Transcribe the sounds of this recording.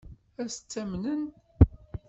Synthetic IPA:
æst͡sːæmnən

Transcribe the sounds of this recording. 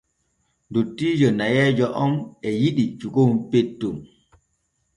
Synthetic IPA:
ndutːiːd͡ʒɔnajɛːd͡ʒɔʔɔnɛjiɗit͡ʃuɡownpetːum

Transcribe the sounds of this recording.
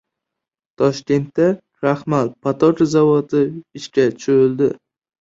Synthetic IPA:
t̪ʰɒʃkʲe̞nt̪ːa | ɾahmalpʰat̪ʰɒt̪zavɒt̪ʰɪɪʃkʲat͡ʃʰoɾɪlˠd̪ɪ

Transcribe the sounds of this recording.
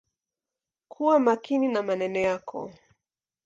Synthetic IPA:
kʰuwamakininamanɛnɔjakʰɔ̰

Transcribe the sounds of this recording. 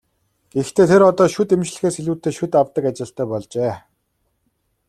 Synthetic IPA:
ɡ̥ext̪ʰeːt̪ʰeɾɔt̪ɔːʃʊt̪emt͡ɕɮɘ̆xeːseɮuːt̪ːeːʃut̪awt̪ə̆kat͡ɕɪ̆ɬt̪æːpɔɮt͡ɕeː

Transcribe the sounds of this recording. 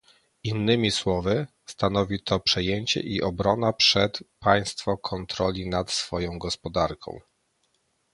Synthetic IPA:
inːɘmʲiswɔvɘ | st̪an̪ɔvʲit̪ʰɔpʂɛjeɲt͡ɕɛ̰ʔiʔɔbɾɔnapʂɛt̪paj̃st̪fɔkʰɔnt̪ɾɔlʲinat̪sfɔjɔ̃w̃ɡɔspɔd̪aɾkʰɔ̰̃w̃

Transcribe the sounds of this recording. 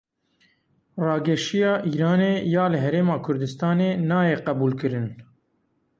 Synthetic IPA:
rɑːɡɛʃijɑːʔiːɾɑːneːjɑːlɨɦɛɾeːmɑːkʰʊɾd̪ɨst̪ɑːneːnɑːjeːqɛbuːlkɨɾɨn

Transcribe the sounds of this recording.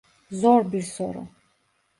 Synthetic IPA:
zɔɾbiɾsɔɾɔ̰

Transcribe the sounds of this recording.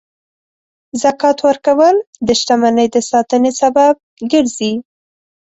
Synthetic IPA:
zakɑt̪wəɾkawəld̪əʃʈ̪amanəjd̪əsɑt̪ənesabab̚ɡəɾzi

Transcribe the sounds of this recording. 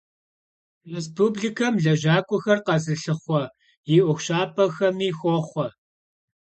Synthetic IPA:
res̬pʰuːbɮiːkʰɐmɮɐʒaːkʷʼʊxɐrqɐzɨɬɨχʷɔ | jɪʔʷʊxʷɕaːpʰʼɐxɐmiːxʷɔχʷɔ

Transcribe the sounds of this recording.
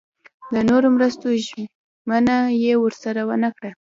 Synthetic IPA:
d̪ənoɾomɾəst̪oʒ | mənajewəɾsaɾawənakɽa

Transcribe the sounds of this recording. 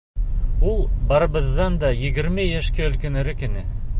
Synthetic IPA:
ulˠbɑɾɤ̆βɤ̆ðːɑnd̪ɑjɘ̆ɡɘ̆ɾmɘjæʃkæɵ̆lkɘ̆nɘ̆ɾɘkɘ̆nɘ

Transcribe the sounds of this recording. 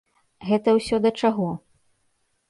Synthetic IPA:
ɣɛt̪ɐwsʲɔd̪ɐt͡ʂaɣɔ

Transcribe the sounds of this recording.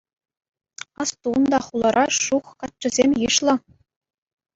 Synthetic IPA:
ɑst̪und̪ɑχulˠɤ̆ɾʔɑʂuχkɑt̪̚t͡ɕɘ̆zʲemʲjɯʃlˠɤ̆

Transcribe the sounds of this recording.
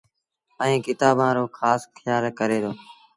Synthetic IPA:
ə̃ĩːkɪt̪aːbãːɾoːkʰaːsxʰɪjaːlkəɾeːd̪oː

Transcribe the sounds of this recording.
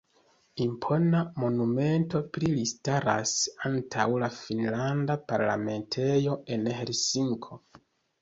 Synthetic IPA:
impʰo̞namo̞nume̞nto̞plilistaɾa̰santʰawlafinlandapaɾla̰me̞ntʰe̞jo̞e̞nhelsiŋkʰo̞

